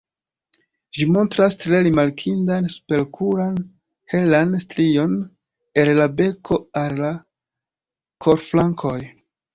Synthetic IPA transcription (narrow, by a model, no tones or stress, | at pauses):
ʒimo̞ntɾastɾe̞ɾimaɾkʰindanspe̞lkʰuɾan | he̞lanstɾijo̞n | e̞lːabe̞kʰo̞alla | kʰo̞ɾflaŋkʰo̞j